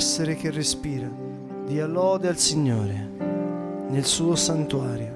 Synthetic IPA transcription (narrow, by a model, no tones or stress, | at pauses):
sːeɾek̟erːespiːɾa | d̪iːalɔːd̪ealsiɲːoːɾe | nelsuːosant̪uaːɾjo